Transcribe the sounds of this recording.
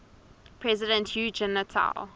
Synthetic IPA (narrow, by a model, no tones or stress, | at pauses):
pʰɹɛzɪdə̃ntjuːd͡ʒɛnətʰa̰l